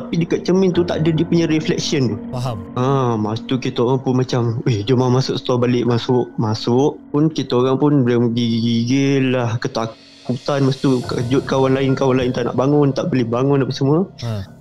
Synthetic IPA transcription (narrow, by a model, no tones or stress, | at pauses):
t̪apidəkat̪̚t͡ʃəmɪ̃nt̪ut̪a̰ʔdədiəpuɲaɾiflɛk̚siənt̪uəmast̪ukit̪aoɾaŋpʊnmat͡ʃamed͡ʒəmahmasʊʔsə̥t̪ɔbalɪʔmasʊʔmasʊʔpʊnkit̪aoɾaŋpʊnblamɡiɡiɡɪlːahkət̪ak | kut̪anməst̪ukəd͡ʒʊt̪̚kawanlaɪnkawanlaɪnt̪ana̰ʔbaŋʊnt̪aʔbəlebaŋʊndapasəmuə